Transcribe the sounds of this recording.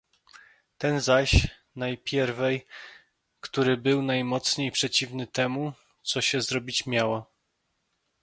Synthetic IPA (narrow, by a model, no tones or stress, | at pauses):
t̪ɛnzaɕ | najpʲjɛɾvɛj | kt̪uɾɘbɘwnajmɔt̪sɲejpʂɛt͡ɕivnɘt̪ɛmu | t̪sɔɕɛzɾɔbʲit͡ɕmʲjawa